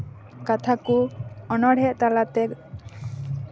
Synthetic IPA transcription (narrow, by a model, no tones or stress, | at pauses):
kat̪ʰakuɔnɔɽ̤ʱɛʔt̪alat̪ɛk